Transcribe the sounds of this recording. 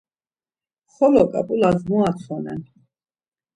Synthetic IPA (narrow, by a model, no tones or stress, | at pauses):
χɔlɔkʼa̰pʼulazmuat̪sʰɔnɛ̰n